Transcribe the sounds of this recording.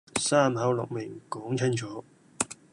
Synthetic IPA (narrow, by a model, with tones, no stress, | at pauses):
saː˥mhɐ˨˥wlʊ̰˨k̚mɪ˨˩ŋkɔː˨˥ŋt͡sʰɪ˥ŋt͡sʰɔː˨˥